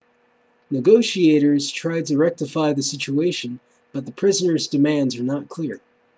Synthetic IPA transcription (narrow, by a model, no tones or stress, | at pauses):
nɨɡoʊʃieɪɾə˞z̥tʰɹ̥aɪd̚tɨɹɛk̚tɨfaɪðɨsɪt͡ʃueɪʃɨ̃n | b̥ʌt̪̚ðəpʰɹ̥ɪzənə˞zdɨmæ̃ndzə˞nət̚kʰl̥ɪɹ